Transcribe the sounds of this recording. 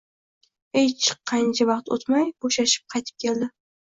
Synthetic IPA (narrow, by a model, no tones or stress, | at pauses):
ejt͡ʃʰɪ̥ɑnt͡ʃʰavɑqt̪o̰t̪majboʃaʃɪ̥p̚qʰɑjt̪ʰɪ̥p̚kʲe̞ld̪ɪ